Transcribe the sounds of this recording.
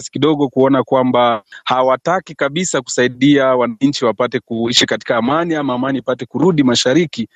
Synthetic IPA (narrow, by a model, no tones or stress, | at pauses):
si̥kiɗɔɠɔkuɔnakwambahawatakikaɓisaku̥saiɗiawanaɲ̩t͡ʃiwapatɛkuiʃikati̥kaːmaniamaːmanipatɛkuɾuɗimaʃaɾiki